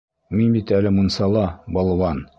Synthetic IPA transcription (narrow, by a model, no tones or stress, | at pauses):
minbit̪ælɘmŭnsɑlˠɑbɒlˠɤ̆wɑn